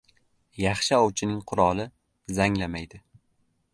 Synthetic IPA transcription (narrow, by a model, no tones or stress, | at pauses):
jɑχʃɪɒwt͡ʃʰɪnɪŋqʰʊɾɒlˠɪ | zaŋlamajd̪ɪ